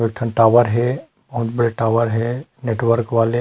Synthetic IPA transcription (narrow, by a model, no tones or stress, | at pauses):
ɪk̚ʈʰənʈaːʋəɾɦɛ | bɐɦʊt̪bɐɽeʈaːʋəɾɦɛneːʈʋəɾkʋaːle